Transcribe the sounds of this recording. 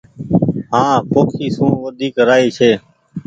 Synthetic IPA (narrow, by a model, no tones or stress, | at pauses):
ɦãːpoːkʰiːsũːʋəd̪ʱiːkɾaːiːt͡ʃʰeː